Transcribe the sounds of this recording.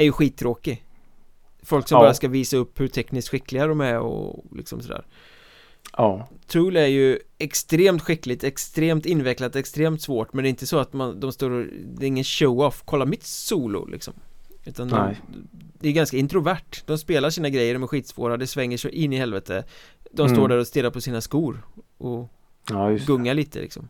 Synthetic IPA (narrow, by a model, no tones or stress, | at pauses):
æɾjɵɧiːt̪ʰːɾoːkɪ | fɔlksɔmɑɾjaʂkaviːsaɵpːhɵʈ̪ʰɛknɪskɧɪkːlɪɡad̪ɔmæɔ̰lɪ̰ksɔ̰msɔd̪æ̰ːɾ | t̪ʰɾʉːlæɾjɵɛkst̪ɾeːmt̪ɧɪkːlɪt̪ɛkst̪ɾeːmt̪ɪnːvɛklat̪ɛkst̪ɾeːmt̪svoːʈmɛnɛɪnt̪əsɔat̪mand̪ɔmst̪oːɾd̪ɛɾɪŋːənʃoʊɔfkʰɔlːaɾmɪt̪suːlʊ̰lɪ̰ksɔ̰mʉ̟ːt̪and̪ɔ | d̪ɛjɵɡanskaɪnt̪ɾʊvæʈːd̪̥ɔmspeːlaɾʂiːnaɡɾɛjːəɖɔmæɾɧiːt̪svo̰ːɾad̪ɛsvɛŋːəʂɛʔɪnːɪhɛlvɛt̪ʰəd̪ɔmst̪oːɖæɾɔst̪ɪːlːaɾpʰɔsiːnaskuːɾʔɔ | ɡɵŋːaɭiːt̪ʰə̰lɪ̰ksɔm